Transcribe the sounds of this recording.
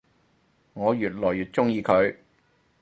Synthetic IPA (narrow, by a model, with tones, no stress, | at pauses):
ŋɔː˨˧jyː˨t̚lɔː˨˩jyː˨t̚t͡sʊ˥ŋjiː˧kʰɵ˨˧ɥ